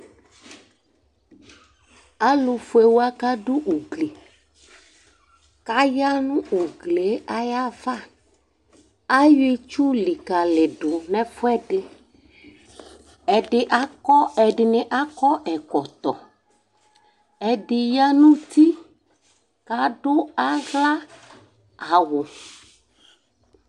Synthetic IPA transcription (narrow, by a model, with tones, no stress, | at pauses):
a˦lo˨fu˦e˨wo˦a˦ka˦ɖu˦ʔu˨ɡli˨ | ka˦ja˦nũ˦ʔu˨ɡle˨˦a˦ja˦va˦˨ | a˦je˦t͡ʃu˦li˨ka˨lɪ˨ɖo˨nɛ̃˦fo˦ɛ˦ɖɪ˨ | ɛ˨ɖɪ˨ʔa˦kɔ˦ɛ˨ɖɪ˨nɪ˨ʔa˦kɔ˦ʔɛ˨kɔ˨t̪ɔ˨ | ɛ˨ɖɪ˨ja˦nũ˦t̪i˦ | ka˨ɖo˦a˦ɣla˦ | a˨wʊ˨